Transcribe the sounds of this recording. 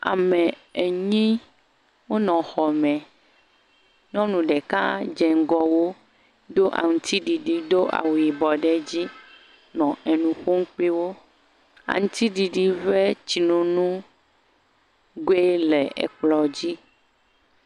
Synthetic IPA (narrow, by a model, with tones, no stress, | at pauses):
a̰˨mɛ̃˨e˨ɲĩ˦ | wo˦nɔ̃˨xɔ˨mɛ̃˨ | ɲɔ̃˦nũ˨ɖɛ˨kã˦d͡ʒɛ˨ŋ˦ɡɔ˨wo˦ | d̪o˦ʔa̰˨ŋũ˨t̪i˦ɖi˨ɖi˨d̪o˦ʔa̰˨wu˨ji˨bɔ˨ɖɛ˦d͡ʑi˦ | nɔ̃˨ʔɛ˨nũ˨ɸo˦ŋ̩˦k͡pe˦wo˦ | a̰˨ŋũ˦t̪i˦ɖi˨ɖi˨vɛ˦t͡ɕi˨nũ˦nũ˦ | ɡe˦lɛ˨ḛ˨k͡plɔ˨d͡ʑi˦